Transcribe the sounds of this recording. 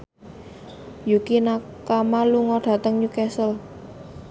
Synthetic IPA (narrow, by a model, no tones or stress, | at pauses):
jukina | kamaluŋɔɖ̥ä̤t̪əŋɲukɛsəl